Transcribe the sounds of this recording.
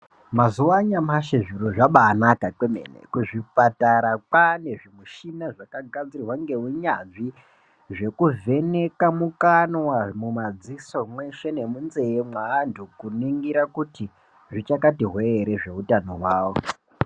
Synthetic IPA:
mazuwaɲamaʃeʐiɾoʐaɓaːnakakwemenḛkuʐipataɾapane̞ʐimuʃinaʐakaɡʱad͡zirirwaŋɡe̞uɲaʐi | ʐe̞kuve̞nekamukanwamumad͡ziso̞mwe̞ʃe̞ne̞munze̞emwaːndʱukuniŋɡiɾakuti | ʐit͡ʃakatiɦweːɾe̞ʐe̞utano̞̰waːwo

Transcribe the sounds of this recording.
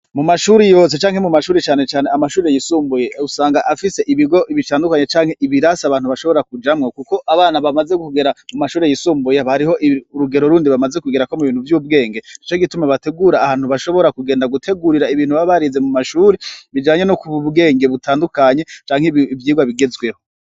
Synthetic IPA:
mumaʃuɾejo̞ːs̬e̞t͡ʃaːŋhe̞mumaʃuːɾet͡ʃaːne̞t͡ʃaːneamaʃuːɾejisuːmbuje̞usaːŋɡaʔafise̞ʔiβiɡo̞ʔiβitaːndukaɲe̞t͡ʃaːŋ̥he̞ʔiβiɾasaβaːn̥uβaʃo̞βo̞ɾakud͡ʒamŋokuko̞ʔaβaːnaβamazeɡukuɡe̞ɾamumaʃuːɾejisuːmbujeβaɾiho̞ʔiuɾuɡe̞ɾo̞ɾuːndiβamazekuɡeɾako̞muβiːnhuvjuːb̚ɡe̞ːŋɡe̞nit͡ʃo̞ɡitumaβate̞ɡuːɾaːhaːn̥huβaʃo̞βo̞ɾakuɡeːndaɡutʰe̞ɡuɾiɾaiβiːn̥huβaβaɾize̞mumaʃuːɾeβid͡ʒaːɲe̞nokuβubɡe̞ːŋɡe̞βutʰaːndukaɲe̞t͡ʃaːŋhevjiːɡwaβiɡe̞zɡwe̞ho

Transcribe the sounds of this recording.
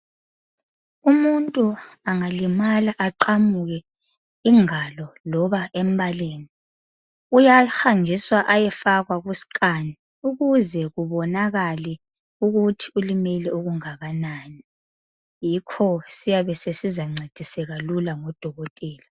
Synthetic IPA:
umuntʼuaŋalimalaʔaǃamuɣɛ | iŋalɔlɔβaʔɛmbʱaleːni | ujaxand͡ʒʱiswaʔajɛfaɣwaɣusi̥kʼani | uɣuzɛɣuβɔnaɣalɛ | uɣutʰi̥ulimɛlɛoɣuŋaɣanani | jikʰɔsijaβɛsesizaŋ͡ǀed̥ʱisɛɣalulaŋɔd̥ʱɔɣɔtʼɛːla

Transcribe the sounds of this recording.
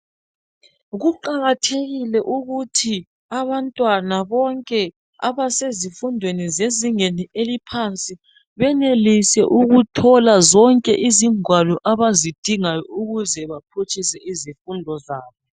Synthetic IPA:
ɣuǃaɣatʰeɣilɛʔuɣutʰi | aβantʼwanaβɔŋkʼɛ | a̰βasezifundʱwenizeziŋeniʔelipʰant͡sʼi | βɛnelisɛʔuɣutʰɔlazɔŋkʼɛʔiziŋwalɔʔaβazid̥ʱiŋajɔuɣuzɛβapʰut͡ʃʼisɛʔizifundʱɔzaːβɔ

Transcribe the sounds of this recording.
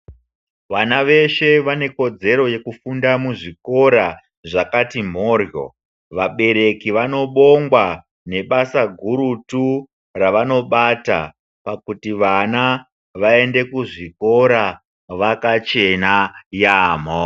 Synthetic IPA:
ʋanaʋe̞ʃe̞ʋane̞ko̞d͡ze̞ɾo̞je̞kufundamuʐiko̞ɾa | ʐakatim̤o̞ːrjo̰ | ʋaɓe̞ɾe̞kiʋano̞ɓo̞ŋɡwa | ne̞ɓasaɡʱuɾutu | raʋano̞ɓata̰ | pakutiʋana | ʋae̞nde̞kuʐiko̞ɾa | ʋakat͡ʃe̞najaːm̤o

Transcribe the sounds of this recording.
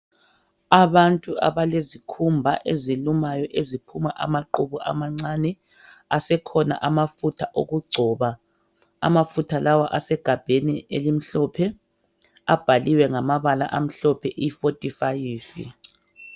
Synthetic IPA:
aβantʼua̰βalezikʰumbʱaʔezilumajɔʔezipʰumaʔa̰maǃuβɔʔa̰maŋ͡ǀanɛ | asɛkʰɔna̰ʔamafutʰaʔoɣuɡ͡ǀʱɔːβa | a̰mafutʰalawaʔasɛɡ̥ʱab̥ʱenielim̩ɬɔpʰɛ | ab̥ʱaliwɛŋamaβala̰ʔam̩ɬɔpʰɛʔifotʼifajiːfḭ

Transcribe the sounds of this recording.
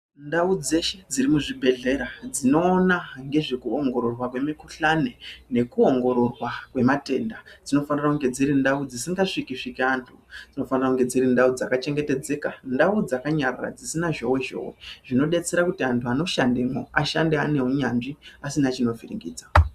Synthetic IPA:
ndaud͡ze̞ʃe̞d͡zirimuʐibʱe̞ɮe̞ɾad͡zino̞ːnaŋɡe̞ʐekuoŋɡo̞ɾo̞rwakwe̞mikuɬane̞ne̞kuo̞ŋɡo̞ɾo̞rwakwe̞mate̞ːndad͡zino̞fanirakuŋɡe̞d͡ziɾindaud͡zisiŋɡaʂikiʂikeantʰud͡zino̞fanirakuŋɡe̞d͡ziɾindaud͡zakat͡ʃe̞ŋɡe̞te̞d͡ze̞kandaud͡zakaɲarra̰d͡zisinaʒo̞we̞ʒo̞̰we̞̰ʐino̞ɗe̞t͡se̞ɾakutiantʰuano̞ʃandemoaʃandeane̞ɦuɲanʐiasinat͡ʃino̞virḭŋɡḭːd͡za

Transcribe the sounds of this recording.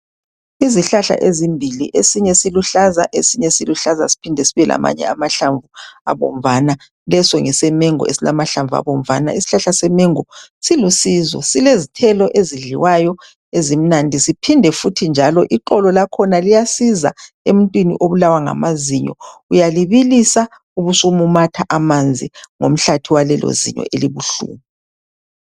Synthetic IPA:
iziɬaɬa̰ʔezimbʱiliʔesiɲɛsiluɬaza̰ʔesiɲɛsiluɬaza̰si̥pʰindʱɛsiβɛla̰ma̰ɲɛ̰amaɬaɱvua̰βɔ̰m̩vana | lɛsɔŋɛsɛmɛŋɔ̰esilamaɬaɱvʱua̰βɔm̩vana̰isi̥ɬaɬasɛmɛŋɔsilusizwɔ̰silezitʰɛlɔʔeziɮiwajɔ | ezim̩nandʱisipʰindʱɛfutʰind͡ʒʱalɔʔiǃɔlɔlakʰɔnalijasiza̰ | emuntʼwinḭʔoβulawaŋa̰maziɲɔ̰ujaliβilisa | uβusumumatʰaʔamand͡zʱiŋo̰m̩ɬatʰiwalɛlo̰zḭɲɔ̰ʔeliβuɬṵːmi

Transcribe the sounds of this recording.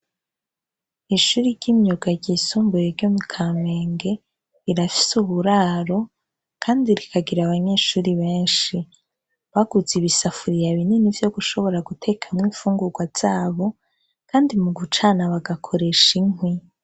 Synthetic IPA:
iʃuːɾiɾɟimjoɡaɟiːsuːmbujeɾɟomukʰame̞ːŋɡe̞ | iɾafi̥suβuɾaːɾo̞ | kʰaːndiɾikʰaɡiɾaβaɲe̞ːʃuːɾiβe̞ːnʃi | βaɡ̥uziβisafuɾijaβininivjo̞ɡuʃo̞βo̞ɾaɡutʰe̞kʰamŋiːfuːŋɡuɾɡwaz̥aːβo̞ | kʰaːndimuɡut͡ʃanaβaɡakʰo̞ɾe̞ʃiŋ̥wi

